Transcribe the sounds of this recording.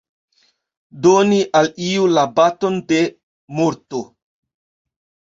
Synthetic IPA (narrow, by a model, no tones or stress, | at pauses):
doniʔaliulabatonde | moɾto